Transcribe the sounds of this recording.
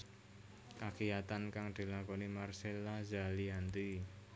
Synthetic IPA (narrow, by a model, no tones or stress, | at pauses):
kakijat̪ankaŋd̪̥i̤lakɔnimarselazaliant̪i